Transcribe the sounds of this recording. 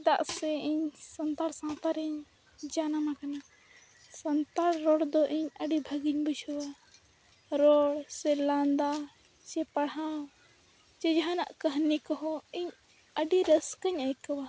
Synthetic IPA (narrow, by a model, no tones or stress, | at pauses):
d̪aʔsɛiɲsənt̪aɾsãt̪aɾiɲ | d͡ʒanamakana | sənt̪aɾɾɔɽd̪ɔʔiɲəɖibʱəɡiɲbuʃɔwa | ɾɔɽsɛland̪a | t͡ʃɛpaɽɦã | t͡ʃɛd͡ʒaɦãnaʔkəɦnikɔɦɔ̃iɲ | əɖiɾəskəɲajkəwa